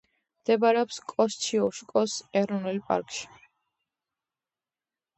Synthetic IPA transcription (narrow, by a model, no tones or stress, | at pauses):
md̪̥ɛbaɾɛɔpskʼɔst͡ʃʰiɔʃkʼɔsɛɾɔnɛlpʼa̰ɾkʼʃi̥